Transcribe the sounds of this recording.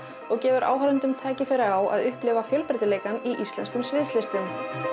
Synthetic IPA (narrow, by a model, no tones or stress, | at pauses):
ɔɣcɛːvʏɾʔa̰ːwɦaɾʏnt̪ʏmt̪ʰaːcɪfɪːɾɪaɣaːwa̰ðʏhplɪvafjœlpɪɾt̪ɪleːjkaniʔist̪lɛ̰nskʏmsvɪðslɪst̪ɪn